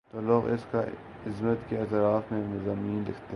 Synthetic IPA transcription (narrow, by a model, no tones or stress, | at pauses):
t̪oːloːɣɪ̰ska | ɪzmət̪keɐt̪ɾaːfmẽnɪzaːmiːnlɪ̰kʰt̪e